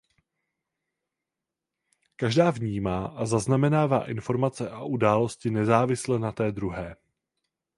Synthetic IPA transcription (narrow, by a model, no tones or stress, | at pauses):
kaʒdaːvɲiːmaːʔazaznamɛnaːva̰ːʔɪnfo̞ɾmat͡sɛʔaʔudaːlo̞scɪnɛzaːvɪslɛnat̪ɛːd̪ɾuɦɛː